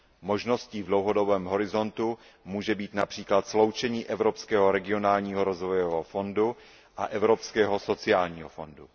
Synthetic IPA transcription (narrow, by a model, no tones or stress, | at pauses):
mo̞ʒno̞sciːvdlowɦo̞do̞bɛːmɦo̞ɾɪzo̞nt̪u | muːʒɛbiːt̪napr̝̥iːklat̪slowt͡ʃɛɲiːʔɛvɾopskɛːɦoɾɛɡɪo̞naːlɲiːɦoɾozvojɛɦofo̞ndu | ʔaʔɛvɾo̞pskɛːɦoso̞t͡sɪaːlɲiːɦofo̞ndu